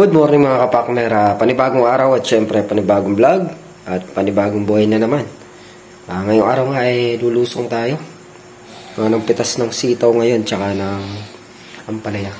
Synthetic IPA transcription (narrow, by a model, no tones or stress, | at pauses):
od̪̚moɾnɪŋmɐŋakɐpak̚nɛɾʔɐpɐnɪbaːɡoŋʔaːɾɐwɐt̪̚ʃɛmpɾɛpɐnɪbaːɡoŋblaɡ̚ | ʔɐt̪̚pɐnɪbaːɡoŋbohɐjnɐnɐman | ɐŋɐjʊŋʔaːɾɐwŋaʔɐjluːluːsoŋt̪aːjo̞ | anɐŋpɪt̪asnɐŋsiːt̪ɐwŋɐjo̞nt͡ʃɐkanɐŋ | ʔɐmpɐlɐja